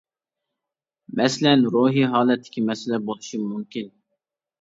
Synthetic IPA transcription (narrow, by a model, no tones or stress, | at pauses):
mɛslɛnɾoːɦiɦɑːlˠɛt̪ʰːɪ̥kʲʰimɛsɪlɛbolˠuʃimumkʲin